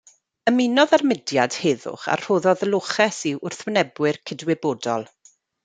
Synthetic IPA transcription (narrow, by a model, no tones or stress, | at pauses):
əmɪnɔðarmɪdjad̥heːðʊ̰χa̰rr̥oːðɔðəlˠʊχɛsiwʔʊrθwənɛbwɪrkʰɪdwɪboːdɔlˠ